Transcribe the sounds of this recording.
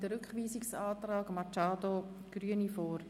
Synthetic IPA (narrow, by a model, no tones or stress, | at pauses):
d̥əɾʏkχʋiːsɪksɑːtrɑːɡmɑt͡ʃɑːdo | ɡ̥ryənifoːɾ